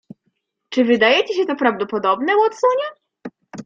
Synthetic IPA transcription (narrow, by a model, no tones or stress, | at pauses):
t͡ʂɘvɘd̪ajɛt͡ɕɛɕɛt̪ɔpɾavd̪ɔpɔd̪ɔbnɛwɔt̪sɔɲɛ